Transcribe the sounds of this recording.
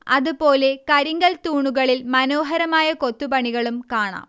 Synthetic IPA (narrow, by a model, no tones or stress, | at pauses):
ɐðupo̞ːle̞kɐɾiŋɡɐlt̪uːɳuɣɐɭilmɐno̞ːɦɐɾɐmaːjɐkot̪ːupɐɳiɣɐɭumkaːɳa̰ːm